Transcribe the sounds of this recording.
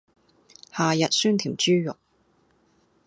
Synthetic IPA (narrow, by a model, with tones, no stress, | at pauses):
haː˨jɐ˨t̚syː˥nt̪ʰiː˨˩mt͡ʃyː˥jʊ˨k̚